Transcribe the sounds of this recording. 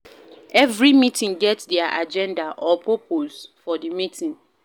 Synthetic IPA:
ɛvɹimitĩŋɡɛtsdɛaʔa̰d͡ʒɛ̃ndaʔɔpʰopʰosfɔdimitʰĩŋ

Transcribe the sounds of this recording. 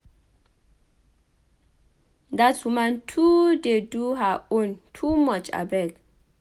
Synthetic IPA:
datsumãntʰudeduɦaõntʰumɔt͡ʃa̰bat

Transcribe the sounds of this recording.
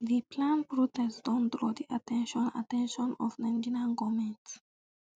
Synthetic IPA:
ðipʰlãnpɹut̪ɛsdɔ̃nd̪ɾɔd̪iʔatɛ̃nʃɔ̃na̰tɛ̃nʃɔ̃nɔvnɛ̃ndinãnɡomɛ̃nt

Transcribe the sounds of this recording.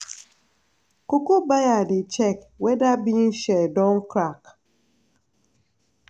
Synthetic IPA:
kokubajadit͡ʃɛk | wɛdabin̩ʃɛdɔŋkɾak

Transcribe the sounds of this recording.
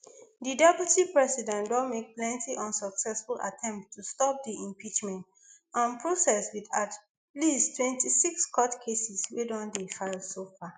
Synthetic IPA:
didɛpjutipɹɛsidɛ̃ndɔ̃nmek̚plɛ̃ntʰiʔɔ̃nsɔksɛsfula̰tʰɛ̃mp̚tʰːustɔp̚diʔĩmpit͡ʃmɛ̃nt | ãnpʰɹosɛswidat | listʰwɛ̃ntisikskʰɔtkʰesiswedɔ̃ndefaɪlsofa

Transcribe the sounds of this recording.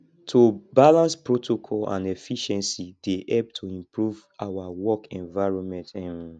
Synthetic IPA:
tʰobalãnspɹotʰokʰɔlã̰nɛfiʃɛ̃nsideʔɛp̚tʰuĩmpɹuv | awawɔkɛ̃nvaɪɹɔ̃nmɛ̃ntɛ̃n

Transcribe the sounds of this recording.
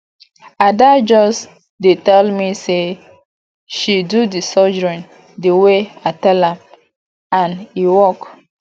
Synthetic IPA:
adad͡ʒɔs | detɛlmise | ʃidudisɔd͡ʒɹĩn | deweatɛlãm | ãniwɔk

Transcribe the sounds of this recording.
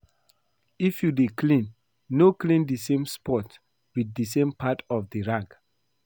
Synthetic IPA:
ifjudeklĩnː | oklĩndəsẽmspɔt | wiðəsẽmpʰatɔfdəɹãɡ

